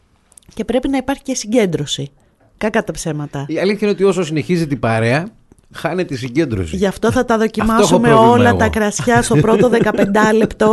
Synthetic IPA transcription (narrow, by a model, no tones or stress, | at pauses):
ce̞pɾe̞pinɐipɐɾçicesiɲɟe̞nd̪ɾo̞si | kɐkɐt̪ɐpse̞mɐt̪ɐiɐliθçɐineot̪io̞sosine̞çizit̪ibɐɾeɐ | xɐnet̪isiɲɟe̞nd̪ɾo̰siʝɐft̪o̞θɐt̪ɐðo̞cimɐsosumeo̞llɐt̪ɐkɾɐsçɐst̪opɾot̪oðe̞kɐpe̞nd̪ɐle̞pt̪o̞